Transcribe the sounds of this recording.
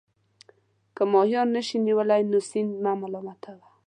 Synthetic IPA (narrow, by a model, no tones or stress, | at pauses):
kəmɔhjɔnːəʃiniwəlajnusinmamalɔmat̪ʰawa